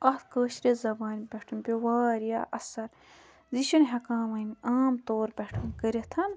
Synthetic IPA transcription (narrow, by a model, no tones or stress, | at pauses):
ɐt̪ʰkəːʃɾʲezɐbaːnbʲɛʈʰunbʲewaːɾja̰ːʔɐsɐɾ | ziʃɐnɦɐkaːmɐnʲaːmt̪oːɾbʲeʈʰunkəɾʲɐt̪ʰɐn